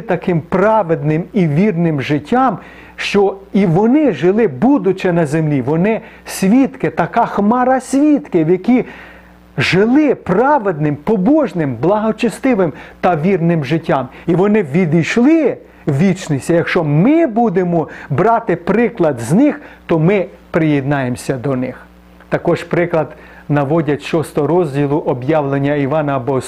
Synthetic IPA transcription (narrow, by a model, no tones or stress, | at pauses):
t̪ɐkɪmprɑʋed̪nɪmiʋʲirnɪmʒɪtʲːɑm | ʃt͡ʃɔiʋɔnɪʒɪlˠɪbud̪ʊt͡ʃɛnɐzemlʲiʋɔnɪ | sʲʋʲit̪kɪt̪ɐkɑxmɑɾɐsʲʋʲit̪kɪwjɐkʲi | ʒɪlˠɪprɑʋed̪nɪmpɔbɔʒnɪmblˠɐɦɔt͡ʃɪst̪ɪʋɪmt̪ɐʋʲirnɪmʒɪtʲːɑmiʋɔnɪʋʲid̪ijʃlˠɪ | ʋʲit͡ʃnɪsʲɐjɐkʃt͡ʃɔmɪbud̪emɔbɾɑt̪ɪpɾɪklˠɐd̪znɪxt̪ɔmɪpɾɪjed̪nɑjemsʲɐd̪ɔnɪx | t̪ɐkɔʒpɾɪklˠɐd̪ | nɐʋɔdʲɐtʲʃɔst̪ɔɾɔzʲdʲilˠʊʔɔbjɑʋlˠenʲːɐiʋɑnɐbɔs